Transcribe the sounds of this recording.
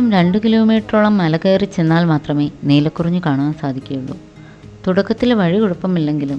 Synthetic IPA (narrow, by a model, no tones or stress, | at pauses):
ɐmɾe̞ɳɖɨkiloːmiːʈːruɭɐmːɐlɐɣeːrit͡ɕe̞nːaːlmaːt̪rɐme̞ːneːlɐkːurɐɲːɨkaːɳaːnsaːd̪ʱikʲːɐjuɭːṵ | t̪uɽɐkːɐt̪ːilʋɐɻikuɽupːɐmilːe̞ŋɡilum